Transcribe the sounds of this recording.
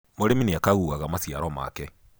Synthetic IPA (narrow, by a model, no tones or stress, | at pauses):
moɾemineakaɣuɣaɣamasiaɾɔma̰kɛ